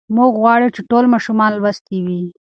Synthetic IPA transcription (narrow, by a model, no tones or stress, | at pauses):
muɡɣwɑɽet͡ʃeʈolmɑʃumɑnlbast̪iwi